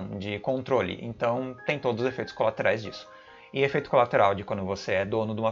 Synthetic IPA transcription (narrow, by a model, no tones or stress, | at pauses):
w̃d͡ʒɪkõnt̪ɾolɪ̰ʔḛ̃nt̪ɐ̃w̃t̪ẽj̃t̪od̪ʊzʊzefejt̪ʊ̥skolat̪eɾajzd͡ʒisʊ̥ | ɪefejt̪ʊkolat̪eɾawd͡ʒɪkwɐ̃nd̪ʊvoseɛd̪õnʊd̪ũmɐ